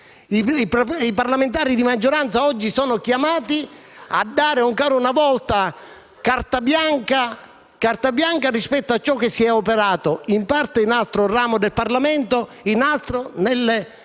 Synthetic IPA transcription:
iipiparlament̪aːɾid̪imad͡ʒːoɾant̪saɔd͡ʒːisɔːnʊk̟jamaːt̪i | a̰d̪ːaːɾɪɔŋkaːɾunavɔlt̪a | kart̪abjaŋka | kart̪abjaŋkarispɛt̪ːoat͡ʃːɔkːesːiɛopeɾaːt̪oimpart̪einalt̪ɾoraːmod̪elparlamɛnt̪o | inalt̪ɾonelː

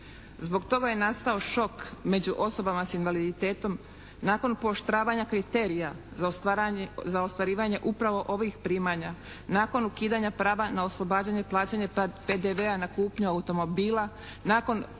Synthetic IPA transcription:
zbo̞ɡt̪o̞ɡaje̞nast̪ao̞ʃo̞kme̞d͡ʑuʔo̞so̞bamasinʋalid̪it̪e̞ːt̪o̞m | naːko̞npooʃt̪ɾaːʋaɲakɾit̪e̞ɾijaz | zaost̪ʋaɾiːʋaɲe̞ʔupɾaʋo̞ʔo̞ʋixpɾiːmaɲa | naːko̞nukiːd̪aɲapɾaːʋanao̞slˠo̞baːd͡ʑaɲeplˠaːt͡ɕaɲepe̞d̪eʋeanakuːpɲuaut̪o̞mo̞biːla | naːko̞n

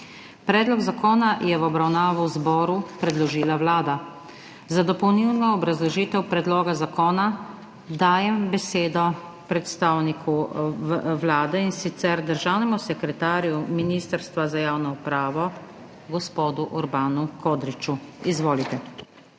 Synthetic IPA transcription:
pɾɛːd̪lɔɡzakɔːnajɛwɔbɾawnaːʋɔwzbɔːɾupɾɛd̪lɔʒiːlaʋlaːd̪a | zad̪ɔpɔwniwnɔɔbɾazlɔʒiːt̪ɛwpɾɛd̪loːɡazakoːna | d̪aːjɛmbɛseːd̪ɔ | pɾɛt̪st̪aːwnikʰu | ʋlaːd̪ɛinsit̪sɛɾd̪əɾʒaːwnɛmusɛkɾɛt̪aːɾijuminiːst̪əɾst̪ʋazajaːwnɔupɾaːʋɔ | ɡɔspoːd̪uʔɔɾbaːnukoːd̪ɾit͡ʃuizʋoːlit̪ɛ

